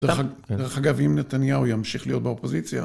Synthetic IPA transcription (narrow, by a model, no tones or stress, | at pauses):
edeʁeχaɡavimnet̪anjaujamʃiχlijo̞t̪̚beopozit͡sja̰